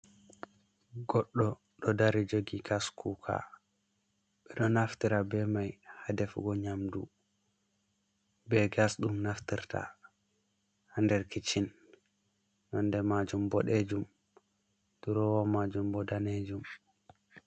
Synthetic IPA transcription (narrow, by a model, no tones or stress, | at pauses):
ɡɔɗːɔ | ɗɔdaɾid͡ʒoɡiɡaskʰukʰa̰ | ɓɛɗɔnaftiɾabɛmajhadɛfɡɔɲamdu | bɛɡasɗumnaftiɾta̰ | handɛɾkit͡ʃin | ɔndɛmad͡ʒumbɔɗed͡ʒum | d̥uɾɔwamad͡ʒumbɔdaned͡ʒum